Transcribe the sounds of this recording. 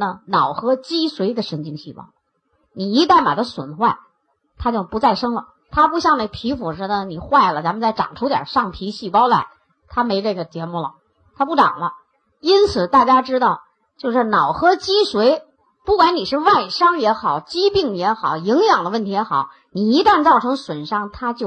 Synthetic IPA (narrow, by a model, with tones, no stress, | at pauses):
nə˧nɑ˨˩ʊxɤ˥t͡ɕi˥swe˧˥ɪd̪ə˧ʂə˧˥ŋt͡ɕi˥˧ŋɕi˥˩pɑ̰˥ʊ | ni˨˩i˧˥t̪a˥˩ɪma̰˨˩d̪ə˦swə̰˨˩nxwa˥˩ɪ | t̪ʰa˥t͡ɕjo˥˩ʊpu˧˥t͡sa˥˩ɪʂɤ˥ŋlə˨˩ | t̪ʰa˥p̬u˥˧˩ɕjɑ˥˧ŋne˥˩ɡə˩pʰi˧˥fu˨˩ʂɻ̩˧˥nə˧ni˨˩xwa˥˩ɪlə˩t͡sa˧˥mə˧nt͡sa˥˩ɪʈ͡ʂɑ̰˨˩ŋʈ͡ʂʰu˧˥t̪jə̰˨˩ʂɑ˥˩ŋpʰi˧˥ɕi˥˩pɑ˥ʊla̰˧˥ɪ | t̪ʰa˥me˧˥ɪʈ͡ʂɤ˥˩ɡə˩t͡ɕjɛ˧˥mu˥˩lə̰˩ | t̪ʰa˥pu˥˩ʈ͡ʂɑ̰˨˩ŋlə˦ | i˥nt͡sʰɹ̩˨˩t̪a˥˩t͡ɕja˥ʈ͡ʂɻ̩˥t̪ɑ˥˩ʊ | t͡ɕjo˥˧ʊʂɻ̩˥˩nɑ˨˩ʊxɤ˥t͡ɕi˥ʂwe˧˥ɪ | pu˥˩kwa˧˥ni˨˩ʂɻ̩˥˧wa˥˩ɪʂɑ˥ŋjɛ˧˥xɑ˨˩˦ʊt͡ɕi˥pi˥˩ŋjɛ˧˥xɑ˨˩˦ʊi˧˥ŋjɑ˨˩ŋd̪ə˦wə˥˩nt̪ʰi˧˥jɛ˧˥xɑ˨˩˦ʊ | ni˨˩i˧˥t̪a˥˧nt͡sɑ˥˩ʊʈ͡ʂʰɤ˧˥ŋswə˨˩nʂɑ˥ŋt̪ʰa˥t͡ɕjo˥˩